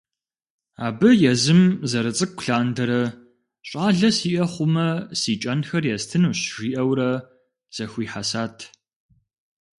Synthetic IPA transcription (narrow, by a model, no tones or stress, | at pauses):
aːbɨjɛzɨmzɐɾɨt͡sʼɨk̚ʷʊ̥ɬaːndɐɾɐ | ɕʼaːɮɐsiːʔɐχʷʊmɐsiːt͡ʃʼɐnxɐrjɛstʰɨnuɕʒiːʔɐwɾɐ | z̥ɐxʷiːħasaːtʰ